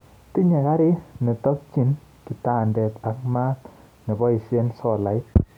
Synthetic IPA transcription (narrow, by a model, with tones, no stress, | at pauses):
ti˦ɲɛ˨ka˦ɾi˦nɛ˨tɔ˦k̚t͡ʃi˦n | ki˨ta˦˨ndɛ˨ta˨k̚ma˦t | ne˨bɔ˦i˨se˦nsɔ˨la˨ɪ˦t